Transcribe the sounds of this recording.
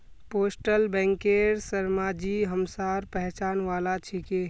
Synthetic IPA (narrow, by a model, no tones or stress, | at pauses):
poːsʈəlbɛ̃ːŋkeɾsəɾmaːd͡ʒiɦəmsaːɾpəɦt͡ʃaːnʋaːlat͡ʃʰike